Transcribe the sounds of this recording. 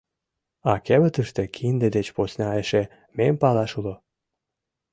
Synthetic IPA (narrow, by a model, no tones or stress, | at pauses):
ɑkeβət̪əʃt̪ĕkʰind̪ed̪et͡ɕposnʲɑeʃe | mempɑlɑʃulo